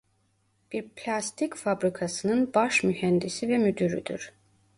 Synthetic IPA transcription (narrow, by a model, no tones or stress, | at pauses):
b̥iɾpʰlʲast̪ʰicfabɾikʰasɯnɯnbaʃmyhɛnd̪isivɛmyd̪yɾy̰d̪y̰ɾ̥